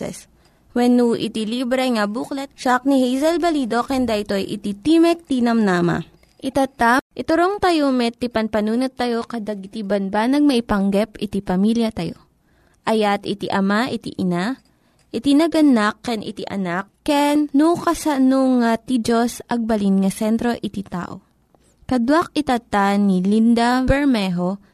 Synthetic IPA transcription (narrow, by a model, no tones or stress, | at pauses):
ɛ̰s | wɛnːuʔɪ̰t̪ilibɾɛŋɐbuklɛt̪̚t͡ʃak̚nihɛjzɛlbɐliːd̪o̞kɛnd̪aʔɪt̪ojʔɪ̰t̪it̪imɛk̚t̪inɐmnaːma̰ | ʔɪt̪at̪aʔɪt̪ʊɾoŋt̪ɐjomɛt̪ipɐnpɐnuːnot̪ːɐjo̞kɐd̪aɡɪt̪ibɐnbanɐɡ̚mɐʔɪpɐŋɡɛpɪt̪ipɐmiljɐt̪ɐjo̰ | ʔɐjat̪ɪt̪ḭʔɐmaʔɪt̪ḭʔɪna | ʔɪt̪inɐɡɐnakːɛnʔɪ̰t̪iʔɐ̰nakːɛnːukɐsɐnoŋat̪id͡ʒosʔɐɡ̚bɐlinŋɐsɛnt̪ɾo̞ʔɪt̪it̪a̰ːʔo̰ | kɐd̪wak̚ɪt̪at̪anilind̪ɐbɛɹmɛɦo